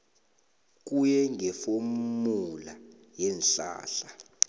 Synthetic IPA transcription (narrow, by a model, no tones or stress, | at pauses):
k̬ʼujɛŋʱɛfommula | jɛnɬa̰ːɬa